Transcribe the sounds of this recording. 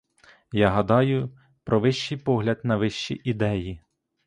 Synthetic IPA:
jɑɦɐd̪ɑjʊ | pɾɔʋɪʃt͡ʃijpɔɦlʲɐd̪nɐʋɪʃt͡ʃḭʔid̪ɛji

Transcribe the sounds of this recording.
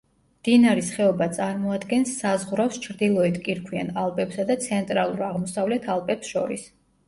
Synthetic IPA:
md̪̥inaɾisχɛɔbat̪sʼaɾmɔad̪ɡɛnsːazʁɾafst͡ʃʰɾd̪ilˠɔɛt̪ʰkʼiɾkʰwia̰nalˠpʼɛpsad̪at̪sʰɛnt̪ʼɾalˠuɾaʁmɔsavlɛt̪ʰalˠpʼɛpsʃɔ̰ɾḭs

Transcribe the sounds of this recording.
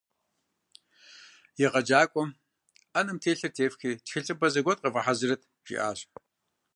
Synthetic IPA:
jɪʁɐd͡ʒaːkʷʼɔm | ɐnɨmtʰeːɬɨrtʰeːfxiːtxɪɬʼɨbɐzɐɡʷɔt̚ʼqɐvɐħazɨrɐtʰ | ʒ̥ḭʔa̰ːɕ

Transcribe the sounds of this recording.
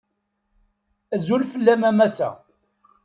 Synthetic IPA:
æzulfəlːæmæmæsæ̰

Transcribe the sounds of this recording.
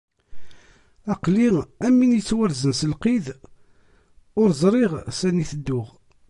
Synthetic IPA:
æqliæmːinit͡sːwæɾzənsəlqið | ʊɾzˤɾˤiʁsæniθəd̪ːʊʁ

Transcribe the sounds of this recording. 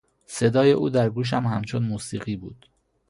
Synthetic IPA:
se̞d̪ɒːje̞ʔuːd̪æɾɡuːʃ̬æmhæmt͡ʃʰonmuːsiːɣiːbuːd̪̥

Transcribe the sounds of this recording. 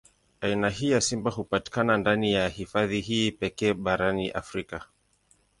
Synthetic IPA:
ainaɦiːjasimbaɦupati̥kanandanijahifaðiɦiːpɛkɛːɓaɾaniʔa̰fɾika

